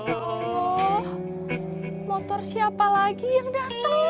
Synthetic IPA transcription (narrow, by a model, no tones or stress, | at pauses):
ɔh | mɔt̪ɔrsiapalaɡijaŋdat̪əŋ